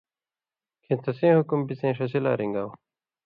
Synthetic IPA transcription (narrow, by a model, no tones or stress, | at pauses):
kʰẽːt̪ɐsẽːhukumbit͡sẽːʂɐsila̰ːɾiŋɡaːw